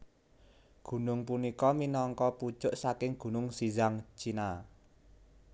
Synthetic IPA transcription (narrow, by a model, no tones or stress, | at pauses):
ɡ̥ṳnʊŋpunikɔminɔŋkɔpud̥ʒ̥ʊʔsakɪŋɡ̥ṳnʊŋsizaŋt͡ʃina